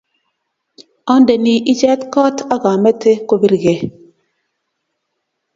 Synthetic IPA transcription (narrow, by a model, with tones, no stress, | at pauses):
ɔ˦n˦de˨ni˨ʔi˦t͡ʃɛ˦tkɔ˦ta˦ɡa˨me˦te˦ko˦bi˦ɾɡe˨